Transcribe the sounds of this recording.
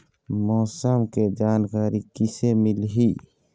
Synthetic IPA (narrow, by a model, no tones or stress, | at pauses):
mɔːsəmked͡ʒaːnkaːɾikɪsemɪlɦiː